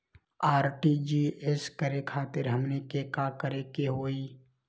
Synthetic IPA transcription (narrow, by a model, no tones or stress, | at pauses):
aːɾʈid͡ʒieskəɾekʰaːt̪ɪɾɦəmnekekakəɾekeɦoːiː